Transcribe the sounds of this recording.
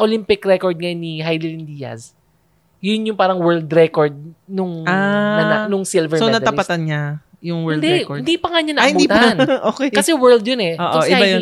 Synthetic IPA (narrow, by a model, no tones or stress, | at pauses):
ʔolimpɪkɾɛkoɹd̪̚ŋɐjonːiɦajlɪlɪnd̪ijɐ̰s | jʊnjʊŋpaːɾɐŋwɛld̪ɾɛkoɹd̪̚nʊŋaɐnanʊŋsilvɛɹoɛnɐd̪t̪ɐpɐt̪ɐnɲa | jʊŋwɛɪnd̪ɛkɪnd̪ipɐŋaɲanɐhɪ̃nbd̪it̪anʔoːkɛkɐsɛwɛɹld̪jonɛʔoːʔ̪oʔɪbajo